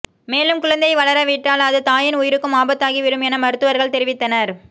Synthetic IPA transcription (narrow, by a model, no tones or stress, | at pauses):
meːlɯmkʊɻɐnd̪ɐɪʋɐɭɐɾɐʋɪʈːaːlɐðɯt̪aːjɪnʊjɪɾɯkːɯmaːbɐt̪ːaːɣiʋɪɾɯmɛnɐmɐɾɯt̪ːɯʋɐɾɣɐɭt̪ɛɾɪʋɪt̪ːɐnɐɾ